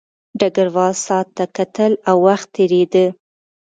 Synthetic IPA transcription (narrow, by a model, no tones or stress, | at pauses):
ɖaɡaɾwɑlsɑt̪ːakat̪əlawːaxt̪ʰːeɾed̪ə